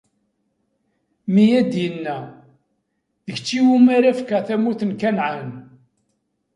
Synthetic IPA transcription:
mijæd̪jənːæ | ðəçt͡ʃːiwumæɾæfkəθæmuθənkænʕan

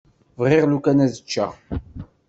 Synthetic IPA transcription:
vʁɪʁlukænæðət͡ʃːæ̰

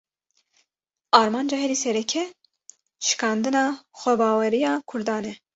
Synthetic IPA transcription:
ɑːɾmɑːnd͡ʒɑːɦɛɾiːsɛɾɛkʰɛ | ʃɨ̥kɑːnd̪ɨnɑːxʷɛbɑːwɛɾijɑːkʰʊɾd̪ɑːnɛ

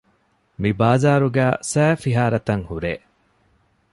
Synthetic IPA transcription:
mibaːzaːɾuɡæːsæːfiɦaːɾɐt̪ɐŋhuɾḛː

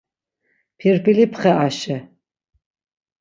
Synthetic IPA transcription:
pʰirpilipʰχɛʔaʃɛ

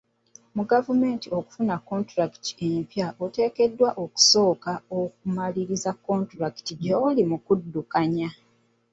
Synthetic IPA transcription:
muɡavume̞ːntio̞ku̥funakːo̞ntɾaki̥ti̥e̞mpjaʔote̞ːke̞dːwaʔo̞ku̥so̞ːkaok̚umaliɾizakːo̞ːntɾaki̥tiɟeolimukudːukaɲa

